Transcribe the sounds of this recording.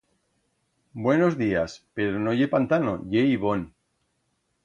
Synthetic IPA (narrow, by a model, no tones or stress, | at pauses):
bwe̞no̞zðiaspe̞ɾono̞ʝepant̪ano̰ʝeiβon